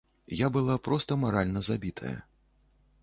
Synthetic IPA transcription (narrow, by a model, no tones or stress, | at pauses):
jabɨlˠapɾɔst̪ɐmaɾalʲnɐzabʲit̪ʰɐ̰jɐ̰